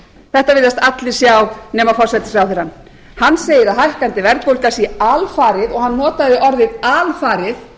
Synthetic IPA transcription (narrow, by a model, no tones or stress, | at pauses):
θɛht̪avɪðast̪at̪lɪ̥sjawnɛːmafɔɾ̥sɛt̪ɪ̥sɾawθɪɾanː | hanːseːjɪɾaðhajhkant̪ɪvɛɾt̪kowlkasialfaːɾɪðɔɣhanːɔːt̪aðɪʔɔɾðɪðalfaːɾɪθ